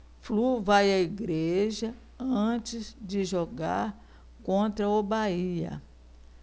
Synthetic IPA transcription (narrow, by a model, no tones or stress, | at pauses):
fluvajɐiɡɾeʒɐ | ɐ̃t͡ʃɪzd͡ʒɪʒɔɡa̰ɾ | kõnt̪ɾɐobaiɐ̰